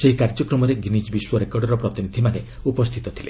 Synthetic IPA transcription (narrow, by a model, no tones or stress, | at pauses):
seɦikaɾd͡ʒɔkɾɔmɔɾeɡinisbiswɔɾekɔɾɖɔɾɔpɾɔt̪inid̪ʱimane | upɔst̪ʰit̪ɔt̪ʰilḛ